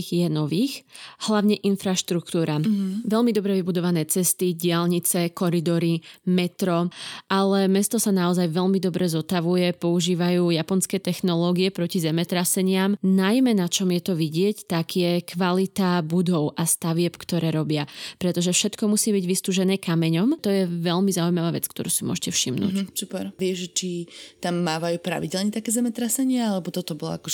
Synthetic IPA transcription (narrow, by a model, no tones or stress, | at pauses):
jɛnɔʋiːxhlaʊɲɛʔinfɾaʃt̪ɾukt̪uːɾaʋɛʎmid̪ɔbɾɛʋibud̪ɔʋanɛːt͡sɛst̪iɟɪalɲit͡sɛkɔɾid̪ɔɾimɛt̪ɾɔʔalɛmɛst̪ɔsanaɔzajʋɛʎmid̪ɔbɾɛzɔt̪aʋujɛpɔuʒiːʋajuːjapɔnskɛːt̪ɛxnɔlɔːɡiɛpɾɔcizɛmɛt̪ɾasɛɲɪamnajmɛnat͡ʃɔmjɛt̪ɔʋiɟɪɛct̪aɡjɛkʰʋalit̪abud̪ɔʊʔast̪aʋɪɛpkt̪ɔɾɛːɾɔbɪapɾɛt̪ɔʒɛfʃɛt̪kɔmusiːbiɟʋist̪uːʒɛnɛːkamɛɲɔmt̪ɔjɛʋɛʎmizaujmaʋaːʋɛt͡skt̪ɔɾuːsimʊɔ̰ʒcɛfʃimnuṵːsupɛ̰ɾʋɪɛʒʒɛt͡ʃit̪amːaːʋajuːpɾa̰ʋiɟɛlɲɛt̪akɛːzɛmɛt̪ɾasɛɲɪaalɛbɔt̪ɔt̪ɔbɔlɔ̰akɔʒ